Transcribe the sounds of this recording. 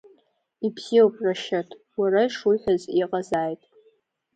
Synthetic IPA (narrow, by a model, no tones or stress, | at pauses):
ipʰz̥iopʼraʃatʰʼ | warajʂuħʷaziqʼazaːjtʼ